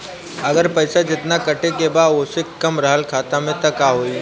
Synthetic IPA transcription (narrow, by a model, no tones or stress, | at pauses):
ɐɡəɾpɐɪsad͡ʒɪt̪nakɐʈekebaːosekɐmɾəɦəlkʰaːt̪amẽt̪ɐkaɦoːiː